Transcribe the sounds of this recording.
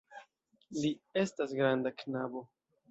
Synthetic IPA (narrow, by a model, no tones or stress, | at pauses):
lie̞stasɡɾandaknabo̞